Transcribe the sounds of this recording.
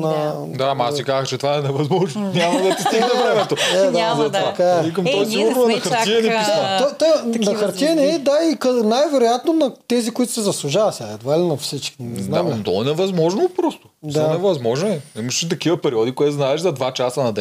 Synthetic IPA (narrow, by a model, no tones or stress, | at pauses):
nɐ | d̪aːmɐasikazəxt͡ʃɛt̪ovaɛnɛvɐzmɔʒnonʲjamɐd̪ɐt̪ist̪iɡnɛvɾɛmɛt̪oɛd̪azɐt̪ɐkaikɐmt̪ɔjsiɡʊɾnoɛnɐxɐɾtiɛnipisat̪ɔt̪ɔjnɐxɐɾt̪iɛnɛd̪aikɐnajvɛɾojat̪nonɐt̪ɛzikʊit̪ʊ̥sɛzɐslˠuʒavɐsaɛd̪valinɐfsit͡ʃkʲinɛznamt̪ɔ̰ɛnɛvɐzmɔʒnopɾɔst̪od̪aɛnɛvɐzmɔʒnoɛiməʃʃit̪̬ɐkivəpɛɾiɔd̪ikʊit̪znaɛʃzɐd̪vat͡ʃasɐnɐd̪ɛ